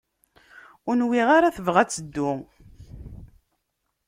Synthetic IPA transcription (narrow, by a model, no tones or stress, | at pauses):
ʊnwiʁaɾaθəvʁæt͡sːəd̪ːʊ